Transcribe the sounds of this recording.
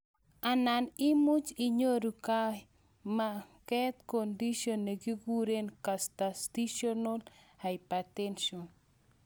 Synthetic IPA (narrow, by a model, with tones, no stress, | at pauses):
a˨nanɪ˦mu˦t͡ʃi˨ɲo˦ɾu˨ka˦ | makɛt̪kondi˦ʃonːeɡi˦ɡu˦ɾe˦nkastasti˦ʃono˦lhajpatɛnʃon